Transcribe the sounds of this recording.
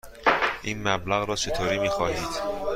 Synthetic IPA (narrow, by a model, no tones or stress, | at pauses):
ʔiːnmæblæɣɾɒːt͡ʃʰe̞t̪ʰoːɾiːmiːxɒːɦiːd̪̥